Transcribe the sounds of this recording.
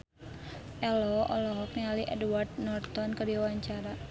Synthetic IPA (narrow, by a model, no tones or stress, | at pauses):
ʔɛlɔʔɔ̰lɔɦɔk̚naliʔɛdwart̪̚nɔrt̪ɔnkədiwaɲt͡ʃaɾa